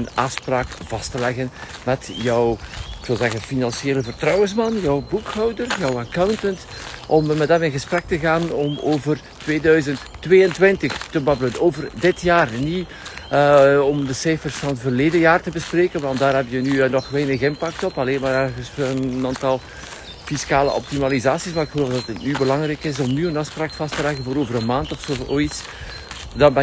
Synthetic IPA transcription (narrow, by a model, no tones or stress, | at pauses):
əna̰ːfspraːkv̥ɑstəlɛɣənmɛtjɔwɪkʋɪlˠzɛɣənfinɑnsjeːləvərtrɔwənsmɑnjɔwbukhɔwdərjɔwakawntəntʔɔmmɛdɛmɪnɣəsprɛk̚təɣaːnɔmoːvər | tʋeːdœɥzəntːʋeːəntwɪntəxtəbɑblənoːvərdɪtjaːrni | ɔmdəsɛjfərsfɑnətvərleːdəjaːrtəbəspreːkənʋɑntdaːɾɦɛpjənynɔxʋɛjnəxɪnpɑk̚tɔpɑleːnmaːɾɛɣəsənːaːntɑlˠ | fiskaːlə̰ʔɔ̰p̚timalizaːsismaːɾɪkxəloːfdɑtət̚nybəlɑŋɾɛkɪs̬ɔmnyənɑspɾaːkfɑstəlɛɣənvoːɾoːvəɾənmaːntɔfsoːoːits | dɑbɛ